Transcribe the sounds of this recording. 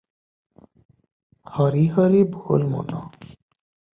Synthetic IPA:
hɔɾiɦɔɾibʱolmo̰nɔ̰

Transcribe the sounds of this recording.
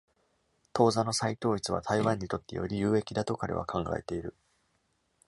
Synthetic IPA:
t̪o̞ːzano̞sait̪o̞ːit͡sɨβa̰t̪ʰaiβãɲ̟ːit̪o̞t̪ːe̞̰jo̞̰ɾʲijɯ̟ːe̞kʲid̪at̪o̞kaɾḛβa̰kʰãŋɡa̰e̞t̪e̞iɾɯ̟

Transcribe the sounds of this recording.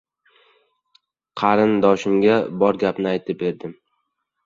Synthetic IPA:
qʰɑɾɪnd̪ɒʃɪmɡʲabɒɾɡʲapnɪajt̪ʰɪp̚be̞ɾd̪ɪm

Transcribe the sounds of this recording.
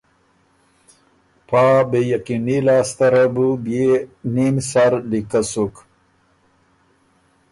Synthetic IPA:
pʰaːbejakinilaːst̪ɐɾɐbubjenimsaɾlikasuk

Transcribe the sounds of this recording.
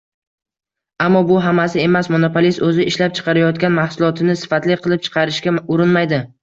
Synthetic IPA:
amːɒbʊɦamasɪe̞masmonopolist̪ɵzɪɪʃlap̚t͡ʃʰɨ̥qʰɑɾajɒt̪kʲanmahsʊlˠɒt̪ʰɪnɪsɪ̥fat̪lɪqʰɨlˠɪp̚t͡ʃʰɨ̥qʰɑɾɪʃkʲaʊɾɪnmajd̪ɪ

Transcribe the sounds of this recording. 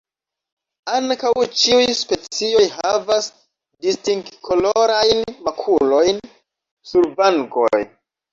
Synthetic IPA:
aŋkawt͡ʃiujspe̞t͡sio̞jɦavas | distiŋkkʰoloɾajnmakʰulo̞jn | suɾvaŋɡo̰j

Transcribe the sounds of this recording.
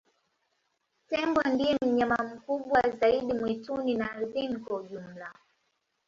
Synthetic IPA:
tɛŋɡwandiɛm̩ɲamam̩kuɓwazaiɗimwituninaːɾiθinikwauʄum̩la

